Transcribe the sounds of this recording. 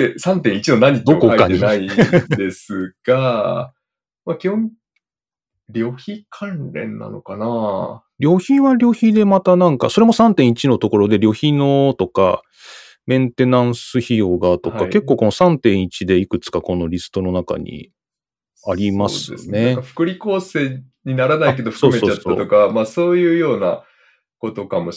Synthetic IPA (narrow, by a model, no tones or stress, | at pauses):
esãnt̪ẽit͡ɕinonaɲ̟ːid̪okoakaɲɲiaid̪e̞sɨɡ̥a | makʲihõŋ | ɾʲo̞ːçikʰãnɾẽ̞nːa̰no̞̰kana | ɾʲo̞ːçiβaɾʲo̞ːçid̪e̞mat̪anãŋka̰so̞ɾe̞mo̞sãnt̪ẽ̞ɰ̃it͡ɕino̞t̪o̞ko̞ɾo̞d̪e̞ɾʲo̞ːçʲino̞t̪o̞ka̰ | mẽ̞nt̪e̞nãɰ̃sɨçijo̞ɡat̪o̞kkake̞kːo̞ːko̞nosãnt̪ẽ̞ɰ̃it͡ɕid̪e̞ikɯ̟t͡sɨ̥kako̞no̞ɾʲisɨ̥t̪o̞no̞naka̰ɲ̟ḭ | aɾʲimasɨeonekaɸɯ̥kɯ̟ɾʲiko̞ːse̞ː | ɲ̟inaɾanaike̞d̪osomesot͡ɕat̪a̰t̪o̞kamaːso̞ːjɯ̟ːjo̞ːna̰ | ko̞t̪o̞kamo̞